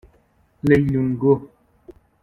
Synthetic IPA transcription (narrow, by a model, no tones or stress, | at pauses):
leluŋɡo